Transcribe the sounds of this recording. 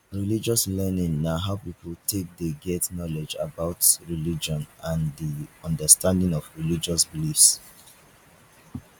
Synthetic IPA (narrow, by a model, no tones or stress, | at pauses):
ɹilid͡ʒɔslɛnĩŋːaɦaʊpipltʰek̚deɡɛtnɔlɛd͡ʒabaʊtɹilid͡ʒɔ̃nãndiɔ̃ndəstãndɪ̃ŋɔvɹilid͡ʒɔsbilifs